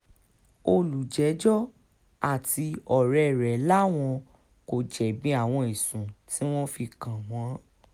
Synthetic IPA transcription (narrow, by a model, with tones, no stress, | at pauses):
o˧lu˨d͡ʒɛ˨˦d͡ʒɔ˦ | a˦˨tʰi˧ɔ˨ɾɛ˨ɾɛ˨la˦w̃ɔ̃˧ | ko˨d͡ʒɛ˨bĩ˨˦a˦˨w̃ɔ̃˧i˨sũ˨tʰi˦w̃ɔ̃˦fi˧kã˨w̃ɔ̃˨˦